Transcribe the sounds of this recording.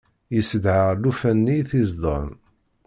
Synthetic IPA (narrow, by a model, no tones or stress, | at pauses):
jəsəd̪ʕəlufænːiθizd̪ˤə̰n